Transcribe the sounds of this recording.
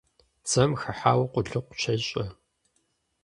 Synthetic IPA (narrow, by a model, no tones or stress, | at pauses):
t͡sɐmxɐħaːwqʷʊɮɨqʷʊ̥t͡ʃʰɐɕʼɐ